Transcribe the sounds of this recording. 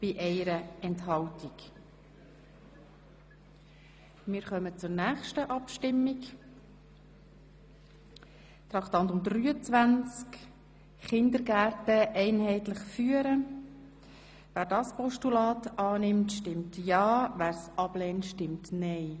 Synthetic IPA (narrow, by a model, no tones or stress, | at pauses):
b̥ɪʔɛɪɾəɛnthɑltik | mɪːɾχœmət͡sʊɾnæːχʃtəʔɑpʃtɪmːik | t̪ɾɑkt̪ɑntʊmd̪ryːət͡sʋænt͡sk | χɪnd̪əɾɡæːɾtəʔɛɪnɦɛɪtlɪχfyːəɾə | ʋæːɾdɑspɔʃtulɑːt̪ɑːnɪmtʃtɪmtjɑːvæːɾsɑb̥lɛːntʃtɪmtnɛɪ